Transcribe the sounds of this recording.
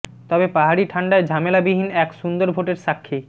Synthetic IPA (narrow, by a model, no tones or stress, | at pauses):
t̪ɔbepaɦaɾiʈʰaɳɖaed͡ʑʱamelabiɦinɛkʃund̪oɾbʱoʈeɾʃakʰːi